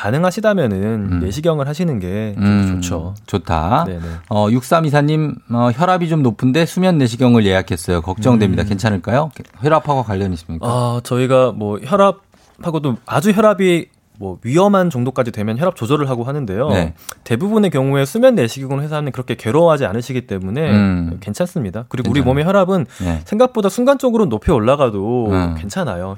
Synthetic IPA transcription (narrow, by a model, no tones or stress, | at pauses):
kanɯŋɦaɕʰidamjʌnɯnːe̞ɕʰiɡjʌŋɯɭɦaɕʰinɯnɡe̞omt͡ɕot͡ɕʰot͡ɕotʰa̰ne̞e̞ʌjuk̚s͈amis̬ʰaɲimʌçjʌɾabit͡ɕomnopʰɯnde̞sʰumjʌnːe̞ɕ̬ʰiɡjʌŋɯɭje̞jakʰes͈ʌjokʌk̚t͡ɕ͈ʌŋdwemɲidake̞nt͡ɕʰanɯɭk͈ajoçʌɾapʰaɡwakwaʎːjʌniɕ͈imɲikat͡ɕʌiɡamwʌçjʌɾab̚ | haɡodoad͡ʑuçjʌɾabi | mwʌɥiʌmɦant͡ɕʌŋdok͈ad͡ʑidwe̞mjʌnçjʌɾap̚t͡ɕ͈od͡ʑʌɾɯɭɦaɡoɦanɯnde̞jote̞bubune̞kjʌŋuesʰumjʌnːe̞ɕʰiɡʌŋɯɭɦesʰaɦamjʌnkɯɾʌkʰe̞ke̞ɾoɦad͡ʑia̰nɯɕʰiɡit͈e̞mune̞ke̞nt͡ɕʰans͈ɯmɲidakɯɾiɡouɾimomeçjʌɾabɯnsʰe̞ŋɡak̚p͈odasʰuŋɡant͡ɕ͈ʌɡɯɾonopʰeoɭːaɡadokwe̞nt͡ɕʰanajo